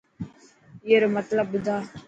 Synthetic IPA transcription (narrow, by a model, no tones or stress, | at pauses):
jeɾomɐt̪ləbʊd̪a